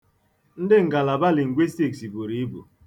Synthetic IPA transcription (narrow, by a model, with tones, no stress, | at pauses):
n̩˦dɪ˦ŋ̩˨ɡa˨la˨ba˦lɪ˨ŋ̩˨ɡʷe˦ste˦˨ksi˨bo˨ɾi˦i˦bṵ˨